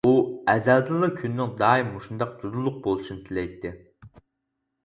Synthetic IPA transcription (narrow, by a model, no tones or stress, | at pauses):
uɛzɛld̪ɨlˠɨkʲʰynːɪŋd̪ɑːimːuʃund̪ɑqd͡ʒ̪ud̪ulˠːʊq̚bolˠuʃinɨt̪ʰɪlɛjt̪ːɪ